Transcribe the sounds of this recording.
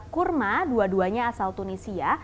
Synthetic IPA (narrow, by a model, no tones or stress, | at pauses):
kurmaduaduaɲaːsalt̪unisia